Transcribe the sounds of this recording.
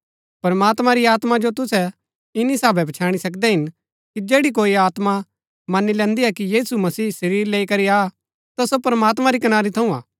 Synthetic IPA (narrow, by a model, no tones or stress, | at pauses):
pɐɾmaːt̪mãɾiaːt̪mad͡ʒot̪ʊsɛ | ɪnisaːbɛbɐt͡ʃʰaːɽ̃isɐkd̪ɛɦɪn | kid͡ʒeːɽik̬oːiaːt̪ma | mɐnilɛ̃ːnd̪iɦɛkijiːsumɐsiːsɐɾiːɾleːikɐɾiaː | t̪ɐsopɐɾmaːt̪mãɾikɐnaːɾit̪ʰɐũa̰ː